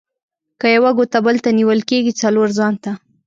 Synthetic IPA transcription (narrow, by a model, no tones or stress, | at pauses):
kəjawaɡot̪abəlt̪aniwəlkeɡit͡saloɾzɑnt̪a